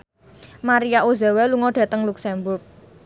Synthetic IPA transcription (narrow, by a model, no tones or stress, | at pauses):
maɾijaʔoza̤waluŋɔɖ̥ä̤t̪əŋluksɛmbʊrk̚